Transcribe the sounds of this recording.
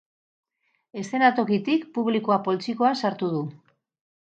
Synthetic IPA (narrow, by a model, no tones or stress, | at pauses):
e̞st̪e̞nat̪o̞kit̪ikpuβlikoapo̞lt͡sikoasaɾt̪uð̞u